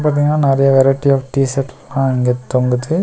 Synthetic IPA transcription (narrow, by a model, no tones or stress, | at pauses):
paːɾt̪̬iːŋɡɐnːaːnɛɾɐjɐʋɛɾɐʈːiaːfʈiːsɛʈnãːɪŋɡet̪ɔŋɡɯt̪ːɯ